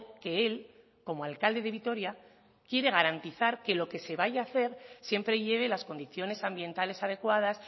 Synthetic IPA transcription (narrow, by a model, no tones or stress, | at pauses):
ke̞e̞l | ko̞moalkald̪e̞ðe̞βit̪o̞ɾja | kje̞ɾe̞ɣ̞aɾant̪iθaɾke̞lo̞ke̞se̞βaʝaːθe̞ɾsje̞mpɾe̞ʝe̞β̞e̞lasko̞nd̪iθjo̞ne̞sambje̞nt̪ale̞sað̞e̞kwað̞as